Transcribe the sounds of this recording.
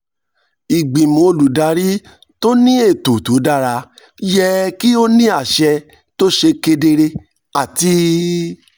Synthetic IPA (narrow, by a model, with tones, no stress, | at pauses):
i˨ɡ͡bĩ˨mo˨˧lu˨da˨˧˦ɾi˦ | to˦nĩ˦e˦˨to˨tu˨˦da˦˨ɾa˧ | jɛ˦˧ki˦o˦nĩ˦a˦˨ʃɛ˧ | to˦ʃe˧ke˧de˧ɾe˧ | a˨ti˧˦